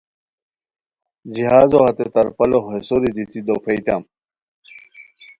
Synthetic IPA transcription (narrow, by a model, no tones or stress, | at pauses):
d͡ʑiɦaːzohɐt̪et̪ɐɾpɐloesoɾid̪it̪id̪ofejt̪am